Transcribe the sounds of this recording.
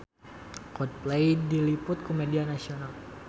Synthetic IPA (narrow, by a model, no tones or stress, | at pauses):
kɔd̚plejdilipʊt̪̚komedianasional